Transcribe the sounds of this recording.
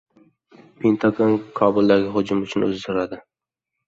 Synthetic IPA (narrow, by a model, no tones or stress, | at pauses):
pʰent̪ʰaɡonkʰɒbʊlˠd̪aɡʲɪχʊd͡ʒʊmʊt͡ʃʰʊnɵ̰zd̪ɪɾad̪ɪ